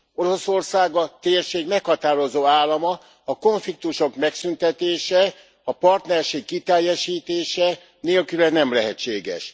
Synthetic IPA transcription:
o̞ɾo̞so̞rsaːɡɒt̪eːrʃeːɡmɛkhɒt̪aːɾo̞zoːaːlːɒmɒː | ko̞ɱflik̚t̪uʃo̞kmɛksynt̪ɛt̪eːʃɛ | ɒpɒrt̪nɛrʃeːkːit̪ɛjːɛʃiːt̪eːʃɛ | neːlkylɛnːɛmlɛɦɛt͡ʃːeːɡɛ̰ʃ

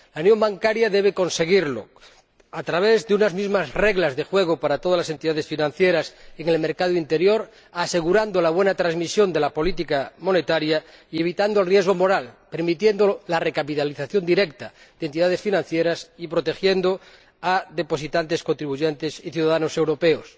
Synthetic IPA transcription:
launjo̞mbaŋkaɾjaðe̞β̞eko̞nse̞ɣ̞iɾlo̰ | at̪ɾaβ̞e̞zðeunazmizmazre̞ɣlazðe̞xweɣ̞opaɾat̪o̞ðalas̬e̞nt̪iðaðe̞sfinãn̟θje̞ɾaseŋe̞lmeɾkaðoint̪e̞ɾjo̞ɾ | ase̞ɣuɾand̪olaβwe̞nat̪ɾazmisjo̞nd̪e̞lapo̞lit̪ikamo̞ne̞t̪aɾja | ie̞β̞it̪and̪olrje̞zɣ̞omo̞ɾalpe̞ɾmit̪je̞nd̪olare̞kapit̪aliθaθjo̞nd̪iɾekt̪a | d̪ent̪iðaðe̞sfinãn̟θjeɾasipɾo̞t̪e̞xje̞nd̪o | aðe̞po̞sit̪ant̪e̞skont̪ɾiβuʝent̪esiθjuðaðano̞se̞wɾo̞pe̞os

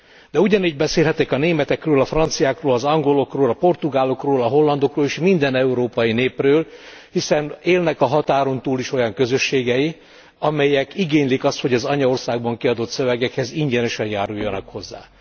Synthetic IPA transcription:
d̪̥ɛuɟɒniːɟ̚bɛseːlɦɛt̪ɛkɒneːmɛt̪ɛkrøːlɒfrɒnt̪sijaːkroːlɒzɒŋɡo̞lo̞kroːlɒpo̞rt̪uɡaːlo̞kroːlɒɦo̞lːɒnd̪o̞kroːleːʃmind̪ɛnɛuɾoːpɒjineːprøːlhisɛneːlnɛkɒɦɒt̪aːɾo̞nt̪uːliʃo̞jɒŋkø̞zø̞ʃːeːɡɛji | ɒmɛjɛkiɡeːɲlikɒst̪ho̞ɟɒzɒɲɒo̞rsaːɡ̚bɒŋkiɒd̪o̞t̪sø̞vɛɡɛkhɛziɲɟɛnɛʃɛnjaːɾujːɒnɒkho̞zːa̰ː

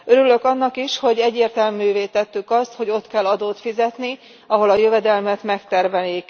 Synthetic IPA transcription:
øɾylø̞kɒnːɒkiʃho̞ɟɛɟːeːrt̪ɛlmyːveːt̪ɛt̪ːykɒst̪ho̞ɟo̞t̪kɛlːɒd̪oːt̪fizɛt̪ni | ɒɦo̞lɒjøvɛd̪ɛlmɛt̪mɛkt̪ɛrvɛlik

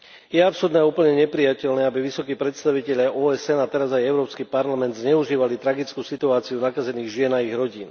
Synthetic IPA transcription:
jɛapsuɾd̪ɛupl̩ɲɛɲɛpɾijacɛlnɛːabiʋisɔkiːpɾɛt̪st̪aʋicɛʎɪaʔɔːɛsɛnat̪ɛɾazajɛʊɾɔːpskipaɾlamɛnd̪zɲɛuʒiːʋalit̪ɾaɡit͡skuːsit̪uaːt͡siunakazɛniːɣʒɪɛnaiɣɾɔɟiːn

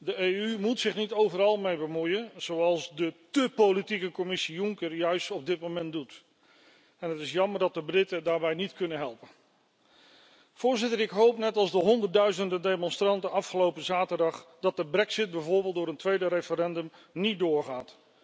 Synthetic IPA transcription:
dəejymutsɪχnitowvəɾɑlˠmejbəmujənz̥owɑlˠsdətɵpolitikəkɔmɪsijʊŋkəɹjœɥstɔb̚dɪt̚momɛntdut | ɛnɦətɪsjɑməɹdɑt̚dəbrɪtədaːɹbɛjnitkɵnənɦɛlˠpən | v̥ʊːɹzɪtəɹɪkɦowpnɛtɑlˠzdəɦɔndətdœɥzəndədejmɔnstrɑntənɑfχəlowpəzaːtəɹdɑχd̥ɑt̚dəbrɛksɪd̚bɛjvʊːɹbeːlˠt̚dʊːɾəntʋejdəɾefəɾɛndəmnit̚dʊːɹχaːt

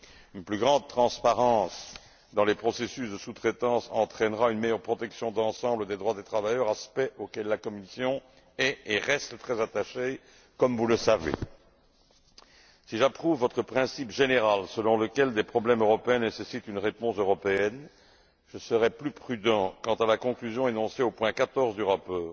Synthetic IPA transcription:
ynplyɡʁɑ̃d̪̚t̪χɑ̃spaʁɑ̃s | d̪ɑ̃lepχɔsesysd̪əsut̪χet̪ɑ̃sɑ̃t̪χɛnʁaynmɛjœʁpχɔt̪ɛksjɔ̃d̪ɑ̃sɑ̃bləd̪ed̪ʁwad̪et̪χavajœʁaspɛʔokʲɛlːakɔmisjɔ̃ | ɛeʁɛst̪t̪χɛzat̪aʃe | kɔmvuləsavḛ | siʒapχuvːɔt̪χəpχɛ̃sipʒeneʁalsəlɔ̃ləkʲɛld̪epχɔblɛmøʁɔpeɛ̃nesesit̪ynʁepɔ̃søʁɔpeɛn | ʒ̥əsəʁɛplypχyd̪ɑ̃kɑ̃t̪alakɔ̃klyzjɔ̃enɔ̃seopwɛ̃kat̪ɔʁzd̪yʁapɔːʁ

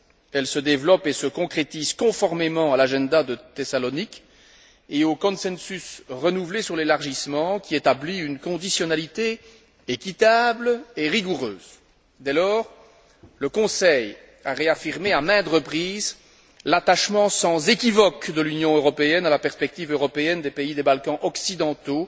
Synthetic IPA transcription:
ɛlsəd̪evlɔpesəkɔ̃kχet̪izkɔ̃fɔʁmemɑ̃alaʒɛ̃d̪ad̪ət̪esalɔnik | eokɔ̃nsɛ̃nsysʁənuvlesyʁlelaʁʒismɑ̃kʲiet̪abliynkɔ̃d̪isjɔnalit̪e | ekʲit̪ableʁiɡuʁøːz | d̪ɛlɔːʁ | ləkɔ̃sɛj | aʁeafiʁmeamɛ̃d̪ʁəpχiːz | lat̪aʃmɑ̃sɑ̃zekʲivɔkd̪əlynjɔ̃øʁɔpeɛnalapɛʁspɛk̚t̪ivøʁɔpeɛnd̪epeid̪ebalkɑ̃ʔɔksid̪ɑ̃t̪o

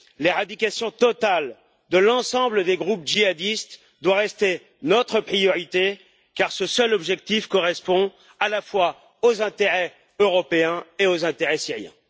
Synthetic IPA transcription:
leʁad̪ikʲasjɔ̃t̪ɔt̪al | d̪əlɑ̃sɑ̃bləd̪eɡʁup̚ʒiad̪ist̪ | d̪waʁɛst̪e | nɔt̪χəpχijɔʁit̪e | kaʁsəsœlɔbʒɛk̚t̪ifkɔʁɛspɔ̃ | alafwa | ozɛ̃t̪eʁɛ | øʁɔpeɛ̃eozɛ̃t̪eʁɛsiʁjɛ̰̃

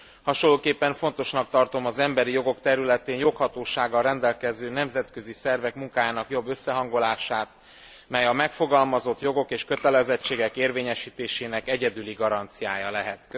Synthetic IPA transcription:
hɒʃolːoːkeːpːɛɱfo̞nt̪o̞ʃnɒk̚t̪ɒrt̪o̞mɒzɛmbɛɾijo̞ɡo̞kt̪ɛɾylɛt̪eːnjo̞khɒt̪oːʃaːɡɒlrɛnd̪ɛlkɛzøːnɛmzɛt̪kø̞zisɛrvɛkmuŋkaːjaːnɒkjo̞bːø̞sːɛɦɒŋɡo̞laːʃaːt̪ | mɛjɒmɛkfo̞ɡɒlmɒzo̞t̪jo̞ɡo̞keːʃkø̞t̪ɛlɛzɛt͡ʃːeːɡɛkeːrveːɲɛʃiːt̪eːʃeːnɛkɛɟɛd̪yliɡɒɾɒnt̪sijaːjɒlɛɦɛt̪k

